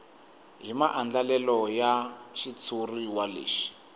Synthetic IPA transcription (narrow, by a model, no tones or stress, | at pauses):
ɦimaʔand͡ɮalɛlɔjaʃit͡sʰuriwalḛːʃi̥